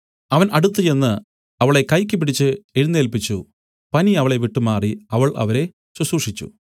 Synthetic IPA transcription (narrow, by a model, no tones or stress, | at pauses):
ɐʋɐnʔɐɽut̪ːuje̞nːɨ | ɐʋiɭe̞kɐjkʲːɨp̬ːiɽit͡ɕːɨeɻunːeːlpit͡ɕːu | pɐniɐʋɐɭe̞ʋiʈːumaːriɐʋɐɭʔɐ̰ʋɐɾe̞ | ɕuɕuːʂit͡ɕːṵ